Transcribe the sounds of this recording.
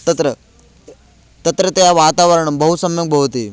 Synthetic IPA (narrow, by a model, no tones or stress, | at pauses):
t̪ɐt̪ɾə | t̪ɐt̪ɾət̪ɐjaʋaːt̪aʋəɾəɳ̃ɐmbɐɦusɐmjɐɡ̚bʱɐɦut̪iː